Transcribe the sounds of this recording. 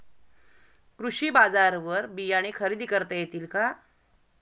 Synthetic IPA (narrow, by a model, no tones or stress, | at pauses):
kɾuɕiːbad͡zaɾʋəɾbijaɽ̃ikʰəɾiːd̪ʱikəɾt̪ajet̪iːlka